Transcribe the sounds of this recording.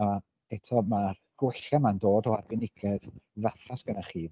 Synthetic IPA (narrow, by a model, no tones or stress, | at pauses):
a | ɛtʰɔmarɡ̥wɛɬamandoːdɔa̰rbɪnɪɡʰɛðvaθasb̥ɛnaχiː